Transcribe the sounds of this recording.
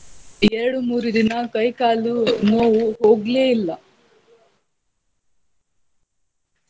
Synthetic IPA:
eɾɐɽumuːɾud̪inɐkɐjkaːlunoːwuɦo̞ːɡleːilːɐ

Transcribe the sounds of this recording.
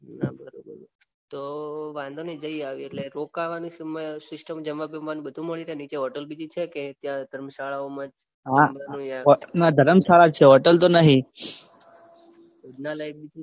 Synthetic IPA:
nabʱəɾobə̰ɾo | t̪oʋãnd̪ʱonid͡ʒəiaʋieʈleɾokaʋanisməsɪsʈəmd͡ʒəməbəʋanũbəd̪ʱũməɭiɾəenit͡ʃeɦɔʈəlbid͡ʒ̪it͡ʃʰeket̪jãd̪ʱəɾmsaɭaomãd͡ʒ | ɦãanũjãɔnad̪ʱəɾəmsaɭat͡ʃʰeɦɔʈəlt̪onəɦĩ | od̪nalajbbid͡ʒi

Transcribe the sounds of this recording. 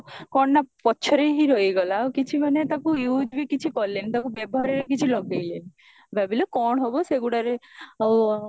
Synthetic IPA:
kɔɳːapɔtːt͡ʃʰɔɾeɦiɾojɡɔlaokit͡ʃʰimanet̪akujud͡ʒbikit͡ʃʰikɔlːenit̪akubebɔɦaɾeɾekit͡ʃʰilɔɡejleni | babilekɔɽ̃ɦɔbɔseɡuɽaɾeaw

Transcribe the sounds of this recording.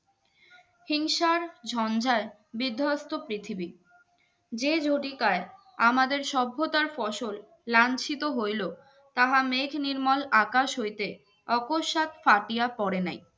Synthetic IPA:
hiŋʃaɾd͡ʑʱɔnd͡ʑae | bid̪ʱːast̪opɾit̪ʰibi | d͡ʑed͡ʑʱoʈikae | amad̪eɾʃɔbʱːot̪aɾfɔʃolː | ant͡ɕʰit̪oɦojlo | t̪aɦamekʰniɾmalakaʃɦojt̪e | ɔkoʃːat̪faʈijapɔɾena̰j

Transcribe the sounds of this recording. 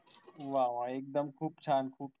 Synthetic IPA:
ʋaːʋaːeːk̚d̪əmkʰuːbt͡ʃʰaːnkʰuːb

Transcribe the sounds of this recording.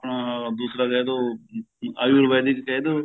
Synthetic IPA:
d̪uːsɾaːkɛːd̪oː | aːjuːɾʋaːd̪iːkkɛd̪oː

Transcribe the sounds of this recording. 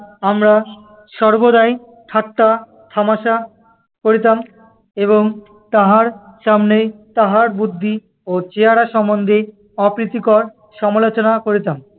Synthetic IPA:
amɾa | ʃɔɾbod̪aj | ʈʰat̪ːa | t̪ʰamaʃa | koɾit̪am | eβoŋ | t̪aɦaɾʃamnet̪aɦaɾbud̪ʱːi | ot͡ɕeaɾaʃɔmbond̪ʱe | ɔpɾit̪ikɔɾ | ʃɔmalot͡ɕonakoɾit̪am

